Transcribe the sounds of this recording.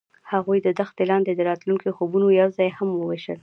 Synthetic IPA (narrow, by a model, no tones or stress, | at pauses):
haɣujd̪əd̪axt̪elɑnd̪ed̪əɾɑt̪luŋkioxobunojawzɑjhamwəweʃə̰l